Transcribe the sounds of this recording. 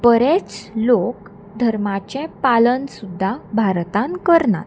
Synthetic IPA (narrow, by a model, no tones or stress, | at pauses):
pəɾet͡slok | d̪ʱəɾmat͡ɕɛ̃palənsud̪ʱːabʱaɾt̪ãnkəɾna̰t̪